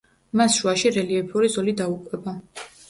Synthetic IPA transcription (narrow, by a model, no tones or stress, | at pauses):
masʃuaʃiɾɛliɛpʰuɾizɔlid̪aukʼwɛba